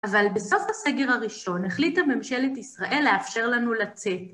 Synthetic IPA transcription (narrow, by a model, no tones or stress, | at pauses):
ʔavalbeso̞fhase̞ɡe̞ʁaʁiʃo̞neχlithame̞mʃe̞letisʁaʔe̞lːeafʃe̞ʁlanulat͡se̞t